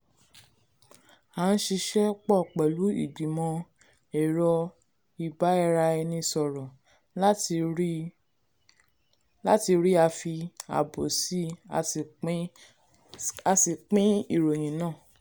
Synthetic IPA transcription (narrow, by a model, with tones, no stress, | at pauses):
a˨˦n̩˦ʃi˧ʃɛ˦k͡pɔ˦˨k͡pɛ˨lu˨˦ḭ˦˨ɡ͡bi˨mɔ̃˧ | ɛ˨ɾɔ˧ | i˨ba˨˦ɛ˦˧ɾa˧ɛ˧nĩ˧sɔ˨ɾɔ˨˦˧ | la˦ti˧ɾi˦a˧fi˧a̰˨bo˨si˨˦˧ | a˧si˨k͡pĩ˦i˦˨ɾo˨j̃ĩ˨˦nãː˦˨